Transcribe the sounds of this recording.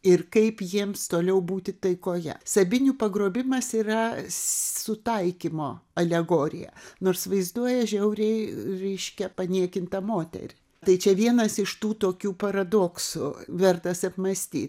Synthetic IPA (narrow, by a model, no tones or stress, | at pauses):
ɪrkɐɪpjiɛmst̪oːlʲɛʊbuːt̪ʲɪt̪ɐɪkoːjɛ̰sɐbʲɪnʲuːpɐɡɾoːbʲɪmɐsiːrɐ | sʊt̪ɐɪkʲimoːɐlʲɛɡoːɾʲɪ̰jɛ̰noːrsʋɐɪzd̪uɔjɛʒʲɛʊɾʲɛɪɾʲɛɪʃʲkʲɛpɐnʲiɛkʲɪnt̪ɐmoːt̪ʲɛ̰ɾʲɪ | t̪ɐɪt͡ʃʲɛʋʲiɛnɐsɪʃt̪uːt̪oːkʲuːpɐɾɐd̪oːksʊʋʲɛrt̪ɐsɐpmɐsʲt̪ʲḭː